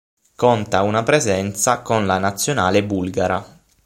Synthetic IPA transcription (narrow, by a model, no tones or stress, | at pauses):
kont̪aunapɾezɛnt̪sakonlanat̪sːjonaːlebulɡaɾa